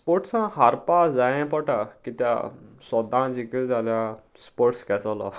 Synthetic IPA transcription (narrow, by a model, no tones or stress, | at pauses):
spoɾʈsãhaɾpad͡zajɛ̃pɔʈakit̪ja̰sɔd̪ãd͡zikild͡zalja | spoɾʈskɛsɔlɔ̰